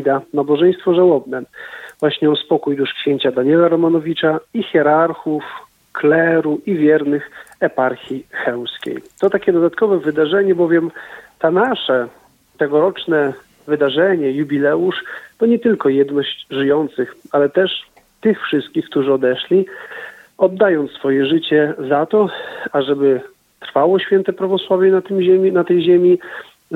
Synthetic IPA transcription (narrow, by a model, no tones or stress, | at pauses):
d̪anabɔʐɛj̃st̪fɔʐawɔbnɛvwaɕɲɛɔspɔkujd̪uʂkɕeɲt͡ɕad̪aɲɛlaɾɔmanɔvʲit͡ʂaixʲjɛɾaɾxuf | klɛɾuʔivʲjɛɾnɘxɛpaɾxʲixɛw̃skʲḛjt̪ɔt̪akʲɛd̪ɔd̪at̪kɔvɛvɘd̪aʐɛɲɛbɔvʲjɛmt̪anaʂɛ | t̪ɛɡɔɾɔt͡ʂnɛ | vɘd̪aʐɛɲɛjubʲilɛuʂt̪ɔɲɛt̪ɘlkɔjɛd̪nɔɕt͡ɕʐɘjɔnt̪sɘxalɛt̪ɛʂ | t̪ɘxfʂɘst̪̚kʲixk̚t̪uʐɨɔd̪ɛʂlʲi | ɔd̪ːajɔnt̪sfɔjɛʐɘt͡ɕɛzat̪ɔaʐɛbɘ | t̪ɾfawɔɕfʲjɛnt̪ɛpɾavɔswavʲjɛnat̪ɘmɛmʲinat̪ɛjʑemʲi